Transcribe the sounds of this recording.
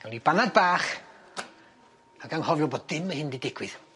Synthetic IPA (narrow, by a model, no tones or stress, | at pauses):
awnibanad̚baːχ | aɡanhɔvjɔboːd̚dɪməhɪndidɪɡwɪð̥